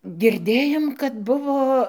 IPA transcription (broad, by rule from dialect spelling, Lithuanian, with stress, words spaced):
ɡʲɪrʲˈdʲeːjoːm kɐt ˈbʊʋoː